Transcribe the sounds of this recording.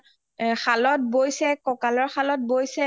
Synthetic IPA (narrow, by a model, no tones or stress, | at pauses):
xʰalɔt̚bojsɛkɔkalɔɹxalɔt̚bojsɛ